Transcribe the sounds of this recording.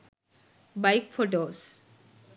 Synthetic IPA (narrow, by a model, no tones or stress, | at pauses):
bajkfʰoʈoːs